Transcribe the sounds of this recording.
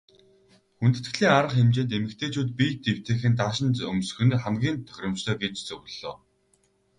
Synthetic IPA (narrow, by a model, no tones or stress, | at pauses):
xunt̪ɘ̥̆t̪ɡɘɮiːŋaɾə̆χxemt͡ɕeːnt̪emɘ̆kt̪ʰeːt͡ɕʰuːt̪̚pijt̪ːew̥t̪ʰĕːxɘ̆nt̪aːʃɪ̆nt̪ɵmsxɵ̆nχæmɡʲiːnt̪ʰœ̥xʲɾʲrɪ̆mt͡ɕt̪ʰœːɡet͡ɕt͡sɵɣɮ̥o̰ː